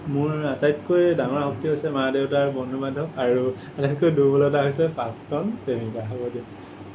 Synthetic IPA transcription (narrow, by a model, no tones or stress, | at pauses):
mʊɹatajtkojdaŋɔɹhɔk̚tiɦojsɛmadeʊtaɹbɔnubadʱɔkaɹu | atajtkojdubɔlɔtaɦojsɛpaktɔnpemitaɦɔbɔdia